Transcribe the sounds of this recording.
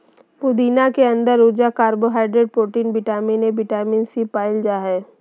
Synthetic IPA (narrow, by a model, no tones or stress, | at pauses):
pʊd̪iːnakeɐ̃nd̪əɾːuɾd͡ʒakaːɾboɦaːɪɖɾeːɖ̚pɾoːʈiːnbɪʈaːmiːnebɪʈaːmiːnsipaːɪld͡ʒaːɦɛː